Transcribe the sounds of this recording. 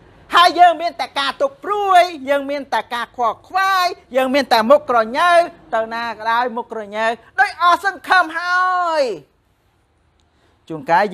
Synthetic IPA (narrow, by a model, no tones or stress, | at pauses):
haəjːəːŋmiənt̪aɛkaːt̪uk̚pruəjjəːŋmiənt̪aɛkaːkʰwoɑkʰʋaːjjəːŋmiənt̪aɛmukːrɑɲəwt̪ɨwnaːkəɗaɔjmukːrɑɲəwɗoːc̚ʔɑsɑŋkʰəmɦaəəj | t͡ɕuəŋkaɛ